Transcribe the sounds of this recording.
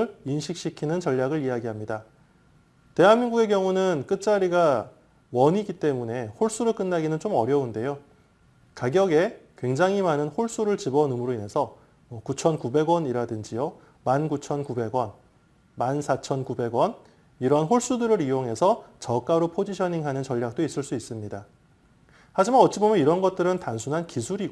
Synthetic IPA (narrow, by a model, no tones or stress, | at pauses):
ɾinɕʰik̚ɕ͈ikʰinɯnt͡ɕʌʎːaɡɯɾijaɡiɦamɲida | te̞ɦanmːinɡuɡe̞k̬jʌŋunɯnk͈ɯt̚t͡ɕ͈aɾiɡa | wʌɲiɡit͈e̞mune̞hoɭs͈uɾɯɭk͈ɯnːaɡinɯnt͡ɕ͈omʌɾjʌunde̞jo | kaɡjʌɡe̞kwe̞ŋd͡ʑaŋɦimanɯnhoɭs͈uɾɯɭt͡ɕibʌnɯmɯɾoine̞sʰʌ | mʌkut͡ɕʰʌnkube̞ɡwʌniɾadɯnd͡ʑijo | mankut͡ɕʰʌnkube̞ɡwʌn | mansʰat͡ɕʰʌnkube̞ɡwʌn | iɾʌɦanɦoɭs͈udɯɾɯɾijoŋɦe̞sʰʌt͡ɕʌk͈aɾopʰod͡ʑiɕʰʌniŋɦanɯnt͡ɕʌʎːjak̚t͈ois͈ɯɭs͈uis͈ɯmɲida | had͡ʑimanʌt̚t͡ɕ͈ʰibomjʌniɾʌnɡʌt̚t͈ɯɾɯntansʰunɦankisʰuɾiɡo